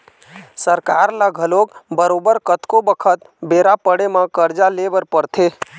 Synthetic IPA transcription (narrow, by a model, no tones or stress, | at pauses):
səɾkaɾlaɡʱəlokbəɾobəɾkət̪kobəkʰət̪ | beɾapəɽemãkəɾd͡ʒalebəɾpəɾt̪ʰe